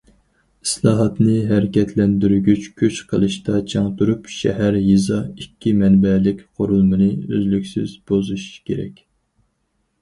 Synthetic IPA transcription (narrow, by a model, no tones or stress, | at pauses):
i̥slˠɑːɦɑt̪nɨɦæɾɪkʲɛt̪ʰlɛnd̪yɾɡʲyt͡ʃkʲʰøt͡ʃqʰəlˠɨʃt̪ɑt͡ʃʰɑŋt̪uɾupʃɛ̰ɦæɾjizɑikʲːimɛnbɛlɪkʲqʰoɾulˠmɨnɨø̰zlykʲsɪzb̥ozuʃkʲeɾɛ̰kʲ